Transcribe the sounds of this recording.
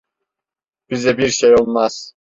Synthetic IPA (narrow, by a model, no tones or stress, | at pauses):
b̥izɛbiɾʃejolˠmaz̥